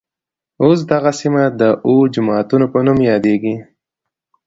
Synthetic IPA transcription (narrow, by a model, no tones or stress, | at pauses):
os̬d̪aɣasimad̪əʔod͡ʒʊmɑt̪unopənumjɑd̪eɡi